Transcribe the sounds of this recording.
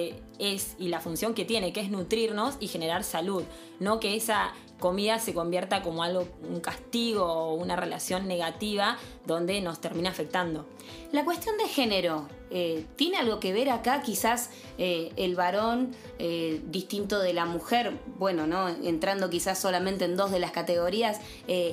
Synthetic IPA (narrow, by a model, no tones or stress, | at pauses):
esilafunsjo̞ŋke̞t̪je̞ne̞keeznut̪ɾiɾno̞sixe̞ne̞ɾaɾsaluð | no̞ke̞esa | ko̞miðase̞ko̞mbjeɾt̪ako̞mo̞alɣo̞uŋkast̪iɣ̞o̞ːunarela̰sjo̞nːe̞ɣat̪iβa | ðo̞nd̪e̞no̞st̪eɾmĩnafe̞k̚t̪and̪o̞ | lakwe̞st̪jo̞nd̪exe̞neɾo̞ | et̪jenealɣo̞ke̞βe̞ɾakakisas | eelβaɾo̞n | ed̪ist̪int̪o̞ð̞elamuxeɾbwe̞no̞no̞ḛnt̪ɾand̪o̞kisasːo̞lamẽnt̪eend̪o̞zðe̞laskat̪eɣo̞ɾias | e